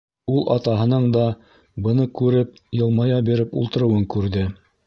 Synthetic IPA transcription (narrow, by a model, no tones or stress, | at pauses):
ulˠʔɑt̪ɑɦɤ̆nɤɴd̪ɑ | bɤ̆nɤkʉɾɘp | jɤ̆lˠmɑjɑbiɾɘpṵlˠt̪ɤ̆ɾɤ̆wɤŋkʉɾðɘ